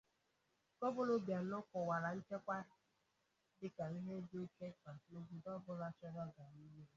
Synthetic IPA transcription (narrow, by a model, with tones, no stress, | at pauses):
kɔ˦bʊ˦lo˦bja˨n̩˦ʊ˦kʊ˨wa˨ɾa˨n̩˦t͡ʃe˦kʷa˦ɪ˦ | dɪ˦ka˨ɾi˦ɦe˦dke˦ka˨to˦ɡu˦dɔ˦bʊ˦la˦t͡ʃɔ˦dɔ˦ɡa˨ni˦me˦